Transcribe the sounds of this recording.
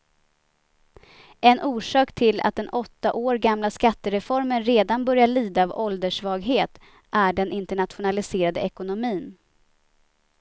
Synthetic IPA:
ɛnʔuːʂɑːkt̪ʰɪla̰t̪̚d̪ɛnʔɔt̪ːaʔoːɾɡamlaskat̪ːəɾɛfɔɾmənɾeːd̪anbœɾjaɭiːd̪aːvɔld̪əʂvɑːɡɦeːt̪ | ʔæɖɛnʔɪnt̪əɳat̪ɧʊnalɪseːɾad̪əɛkʊnʊmiːn

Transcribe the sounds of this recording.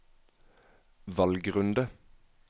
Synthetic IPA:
ʋɑlɡʁʉnd̪ə

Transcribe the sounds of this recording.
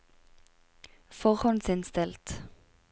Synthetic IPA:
fɔʁhɔnsɪnst̪ɪlt̪

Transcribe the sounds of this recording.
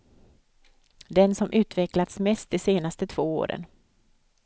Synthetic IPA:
d̪ɛnsɔmʔʉ̟ːt̪vɛklat̪smɛst̪̚d̪ɪseːnast̪ət̪ʰv̥oːo̰ːɾə̰n

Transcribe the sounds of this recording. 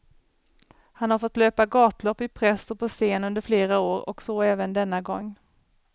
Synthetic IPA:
hanhaɾfɔt̪ːløːpaɡɑːt̪lɔpːɪpʰɾɛsːɔpʰɔseːnɵnd̪əɾfleːɾaoːɾɔ̰ksoːɛːvənd̪ɛnːaɡɔŋː

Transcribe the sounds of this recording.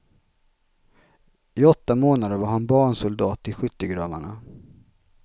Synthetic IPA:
ɪɔt̪ːamoːnad̪əɾvaɾɦhanbɑːɳsʊld̪ɑːt̪ːɪlɧʏt̪ːəɡɾɑːma̰ɳa̰

